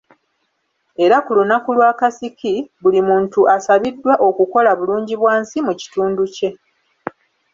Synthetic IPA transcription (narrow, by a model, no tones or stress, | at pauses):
e̞ɾakulunakulwaːkasikiβulimuːntuʔasaβidːwaʔo̞kuko̞laβuluːɲɟiβwaːnsimuci̥tuːnduce̞